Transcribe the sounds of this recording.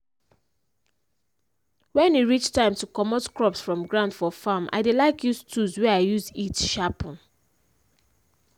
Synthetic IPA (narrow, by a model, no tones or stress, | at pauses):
wɛ̃njuɹit͡ʃtãɪ̃mtukɔmɔtkɹɔpsfɹɔ̃mɡɹãʊ̃nd̥fɔfamʔa̰ɪdelaɪkʰjustʰuzwɛaɪjuzitʃapɔ̃n